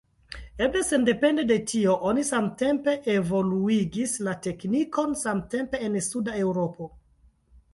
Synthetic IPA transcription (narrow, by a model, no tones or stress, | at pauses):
eble̞se̞nde̞pe̞ndede̞tio̞ʔonisamte̞mpe̞ʔevo̞luiɡislate̞kniko̞nsamte̞mpe̞ːnsudae̞wɾo̞po̞